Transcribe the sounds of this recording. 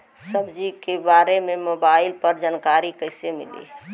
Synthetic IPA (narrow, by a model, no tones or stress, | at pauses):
səbd͡ʒikebaɾememobaɪlpəɾd͡ʒankaɾikəɪsemḭlḭ